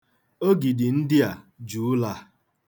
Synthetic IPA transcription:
o˦ɡi˨dɪ˨n̩˦dɪ˦a˨ | d͡ʒu˨˦la˦

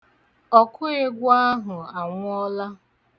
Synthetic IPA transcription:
ɔ˨kʰʊ˦e˦ɡʷa˦ɦʊ˨a˨ŋʷ˦ɔ˦la˦

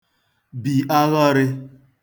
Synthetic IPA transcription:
bi˨ʔa˦ɣɔ˦ɾɪ˦

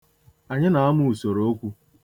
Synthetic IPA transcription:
a˨ɲɪ˦na˨a˦mʊ˦u˨so˨ɾo˦o˦kʷu˦

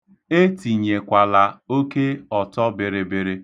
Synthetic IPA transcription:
e˦ti˨ɲe˨kʷa˨la˨o˦ke˦ɔ˨tɔ˦bɪ˨ɾɪ˨bɪ˨ɾɪ˦

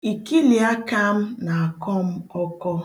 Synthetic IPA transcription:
i˨ki˦li˨a˦ka˦m̩˦na˨a˨kɔ˦m̩˦ɔ˦kɔ˦

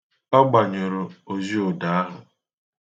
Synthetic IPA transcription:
ɔ˦ɡ͡ba˨ɲo˨ɾo˨o˨zi˦o˨da˨a˦ɦʊ˨

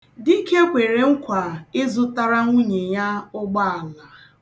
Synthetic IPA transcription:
di˦ke˦kʷe˨ɾe˨ŋ̩˦kʷa˨ɪ˦zʊ˦ta˦ɾa˦ŋʷu˦ɲe˨ja˦ʊ˦ɡ͡ba˦a˨la˨

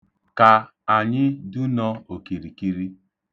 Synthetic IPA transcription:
ka˨ | a˨ɲɪ˦du˦nɔ˦o˨ki˨ɾi˨ki˦ɾi˦

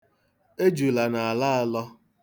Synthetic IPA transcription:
e˦d͡ʒu˨la˨na˨a˨la˦a˦lɔ˦

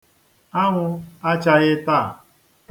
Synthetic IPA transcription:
a˦ŋʷʊ˦a˦t͡ʃa˦ɣɪ˦taː˦˨

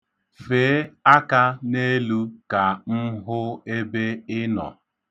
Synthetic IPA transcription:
fe˨˦a˦ka˦ne˦lu˦ka˨m̩˦ɦʊ˦e˦be˦ɪ˦nɔ̰˨

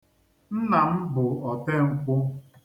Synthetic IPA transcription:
n̩˦na˨m̩˦bʊ˨ɔ˨te˦ŋ̩˦kʷʊ˦

